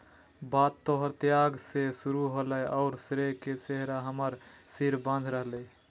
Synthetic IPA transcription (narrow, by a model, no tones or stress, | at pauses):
bat̪ːoɦəɾt̪jaɡsesuɾuɦoləʔɔʊɾsɾeket͡ʃeɦɾaɦəməɾsiɾbə̃nd̪ʱɾəɦlɛ